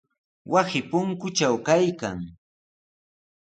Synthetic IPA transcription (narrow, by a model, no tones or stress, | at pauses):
wʔasɪpʊŋkʊt͡ʃawkajkaŋ